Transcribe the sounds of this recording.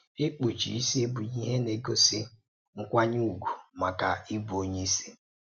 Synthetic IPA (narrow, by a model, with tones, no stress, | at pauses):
e˦k͡pu˨t͡ʃḭ˨i˦se˦bu˨ɲi˦ɦe˦ne˨ɡo˦sɪ˦ | ŋ̩˦kʷa˦ɲu˦u˨ɡʷu˨ma˨ka˨i˦bu˨o˦ɲe˦i˦si̥˦